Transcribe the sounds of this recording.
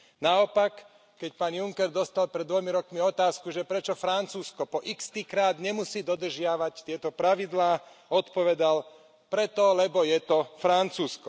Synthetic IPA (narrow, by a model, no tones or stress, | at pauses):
naɔpakː | ɛc̚paːnjuŋkɛɾd̪ɔst̪alpɾɛd̪d̪ːʋɔjmiɾɔkmiɔt̪aːskuʒɛpɾɛt͡ʃɔfɾant͡suːskɔpɔʔikst̪iːkɾaːd̪ɲɛmusiːd̪ɔd̪r̩ʒɪaʋact̪ɪɛt̪ɔpɾaʋid̪laː | ɔt̪pɔʋɛd̪al | pɾɛt̪ɔlɛbɔjɛt̪ɔfɾant͡suːskɔ